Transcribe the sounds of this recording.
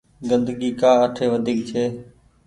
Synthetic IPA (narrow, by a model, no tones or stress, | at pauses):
ɡə̃nd̪ɡiːkaːəʈʰeːʋəd̪ʱiːk̚t͡ʃʰeː